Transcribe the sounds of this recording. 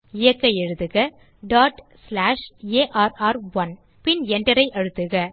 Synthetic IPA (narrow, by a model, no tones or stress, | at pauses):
ɪjɐkːɐjɛɻɯt̪ːɯɣɐ | ɖaːʈslaːʂeːʔaːɾaːɾʋɐn | pɪnɛɳɖɐɾɐɪʔɐɻɯt̪ːɯɣɐ